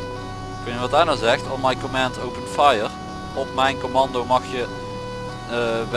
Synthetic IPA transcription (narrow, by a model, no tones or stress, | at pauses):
kənjəʋɑt̚daːɹnazɛxtɔnmɑjkomɛntowpənfajər | ɔpmɛjnkomɑndowmɑxjə | ʋ